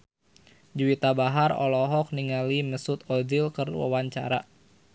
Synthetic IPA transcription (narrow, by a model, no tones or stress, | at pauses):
d͡ʒuwit̪abaɦarɔ̰lɔɦɔk̚niŋaliməsut̪ɔdilkərwa̰waɲt͡ʃa̰ɾa